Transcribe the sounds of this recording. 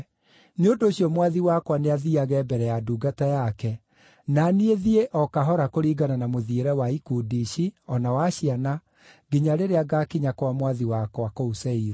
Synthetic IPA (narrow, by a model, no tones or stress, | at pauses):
neondoːɕjɔmwaðiwakwaneaðiaɣɛbɛɾɛjaduːɡatajakɛ | nanieðieʔɔkaɦɔɾakoɾiːɡananamoðieɾɛwaikudiɕiɔnawaɕiana | ɡiɲaɾeɾeaɡakiɲakwamwaðiwakwakousɛiɾɛ